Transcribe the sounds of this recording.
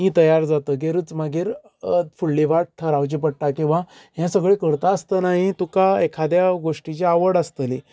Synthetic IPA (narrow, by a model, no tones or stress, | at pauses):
ɦĩt̪əjaɾd͡zat̪əɡeɾəːt͡smaɡiːɾ | fuɭːiʋaʈ̚t̪ʰəɾawt͡ɕipəɽʈakĩw̃ʋa | ɦjɛ̃səɡɭekəɾt̪aəst̪ənaɦit̪ukaekʰad̪jaɡoʂʈit͡ɕeaʋəɽəst̪əli